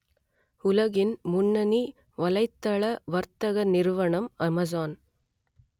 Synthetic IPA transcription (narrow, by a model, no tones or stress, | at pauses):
ʊlɐɣɪnmʊnːɐni | ʋɐlɐɪt̪ːɐɭɐʋɐɾt̪ɐɣɐnɪɾʋɐɳɐmɐmɐzaːn